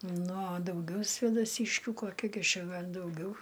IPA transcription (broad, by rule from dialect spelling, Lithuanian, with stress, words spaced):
nʊ ɐ dɐʊˈɡʲɛʊ sʲʋʲeːdɐˈsʲiːʃʲkʲuː koːˈkʲɪ ɡʲɪ ˈt͡ʃʲɛ ˈɡɐlʲ dɐʊˈɡʲɛʊ